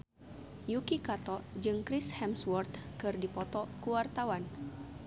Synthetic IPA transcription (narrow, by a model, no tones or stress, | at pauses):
jukikat̪ɔd͡ʒɨŋkɾishɛmswɔrt̪kɨrdipɔt̪ɔkuwart̪awan